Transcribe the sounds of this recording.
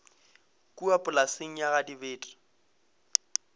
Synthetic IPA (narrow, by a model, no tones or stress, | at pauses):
kʼuapʼʊlaseŋ̩jaɣadibɪːtʼɪ̥